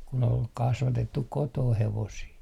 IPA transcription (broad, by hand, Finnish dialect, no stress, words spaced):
kun ol kɑsʋɑtetːuk kotoːh heʋosiː